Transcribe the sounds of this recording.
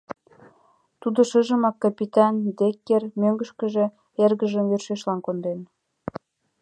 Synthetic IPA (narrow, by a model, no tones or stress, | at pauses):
t̪ud̪oʃəʒə̆mɑkːɑpit̪ɑnd̪ekːermøŋɡə̆ʃkəʒĕ | erɣəʒəmverʃeʃlɑnkond̪en